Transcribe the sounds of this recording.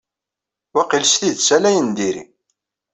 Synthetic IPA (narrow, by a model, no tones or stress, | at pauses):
wæqilsθiðsælæjənd̪iɾḭ